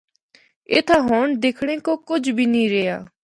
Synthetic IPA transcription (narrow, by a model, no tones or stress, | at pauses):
eːt̪ʰaːɦɔɳd̪eːkʰɽ̃ẽkokʊd͡ʒbʱiːnĩːɾeja̰ː